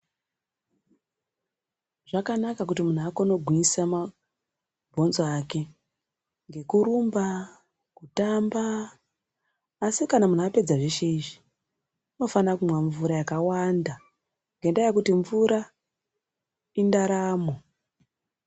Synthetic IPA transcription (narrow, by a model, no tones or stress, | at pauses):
ʐakanakak̬utimun̤uakono̞ɡʱwisama | bʱo̞nzoake̞ | ŋɡe̞kuɾumba | kutamba | sikanamunape̞d͡zaʐeʃe̞iʐi | uno̞fanakumwaɱvuɾajakawanda | ŋɡendajekutiɱvuɾʔa | indaɾaːmo̞